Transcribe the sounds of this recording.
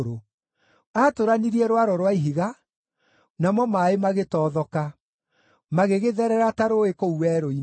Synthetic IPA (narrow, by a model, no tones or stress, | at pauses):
ɾo | atoɾaniɾiɛɾwaɾɔɾwaiɦiɣa | namɔmaːemaɣetɔːðɔka | maɣeɣeðɛɾɛɾataɾoekouwɛːɾoi